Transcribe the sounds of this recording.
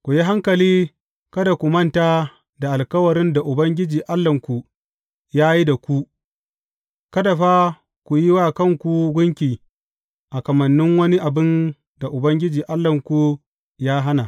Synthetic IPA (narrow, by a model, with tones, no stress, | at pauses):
kʷu˨ji˦ɦa˦ŋkɐ˨liː˦ | kɐ˦da˨kʷu˨mɐ˦ntaː˦ | da˨ʔa˨lkɐ˦wɐ˨ɾɪ˦nda˨ʔʊ˨bɐ˦ŋɡʲɪ˦d͡ʒiː˨ʔa˦lːɐ˨ŋkʷu˨ | jaː˦ji˦da˨kʷu˦ | kɐ˦da˨ɸa˦ | kʷu˨jɪ˦waː˦˨kɐ˦˨ŋkʷu˨ɡʷʊ˦ŋkʲiː˨ | ʔa˨kɐ˨mɐ˨nːɪ˦ŋwɐ˦ni˦ʔa˨bɪ˦n | da˨ʔʊ˨bɐ˦ŋɡʲɪ˦d͡ʒiː˨ʔa˦lːɐ˨ŋkʷu˦ | jaː˦ɦa˦na˨